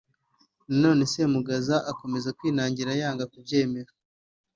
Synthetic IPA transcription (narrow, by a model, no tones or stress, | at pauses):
nano̞ːne̞se̞muɡazaʔako̞me̞zakwiːnaːɲɟiɾajaːŋɡakub̚ɟe̞ːme̞ɾa